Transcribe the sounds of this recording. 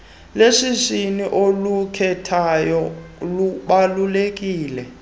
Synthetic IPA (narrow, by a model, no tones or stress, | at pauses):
leʂiziniʔolukʰɛtʰajɔluɓalulek̬ʼiːlɛ